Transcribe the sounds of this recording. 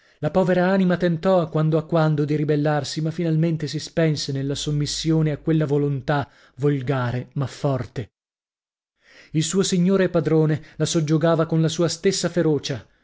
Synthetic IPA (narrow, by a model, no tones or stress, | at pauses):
lapɔːveɾaaːnimat̪ent̪ɔakːwand̪oakːwand̪od̪iɾibelːarsimafːinalment̪esispɛnsenelːasomːisːjoːneakwelːavolont̪a | volɡaːɾemafːɔrt̪e | ilsuːosiɲːoːɾepad̪ɾoːnelasod͡ʒoɡaːvakonlasuːast̪esːafeɾoːt͡ʃa